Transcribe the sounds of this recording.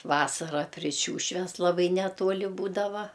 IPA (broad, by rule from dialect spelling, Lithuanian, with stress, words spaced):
ˈʋɑːsɐrɐ pʲrʲɪ ˈʃʲuːʃʲʋʲɛs ˈlˠɑːbɐɪ nʲɛˈtuɔlʲɪ ˈbuːdɐʋɐ